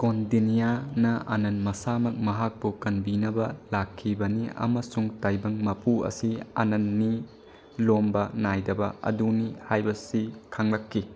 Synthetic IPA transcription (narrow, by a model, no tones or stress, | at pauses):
kondinijanɐʔɐ̰nɐnmɐsamɐk̚mɐɦak̚pukɐnbinɐbɐlakʰːibɐniɐ̰mɐsuŋtajbɐŋmɐpuɐ̰siɐ̰nɐnːi | lombɐnajdɐbɐɐ̰dunihajbɐsikʰɐŋlɐkʰːi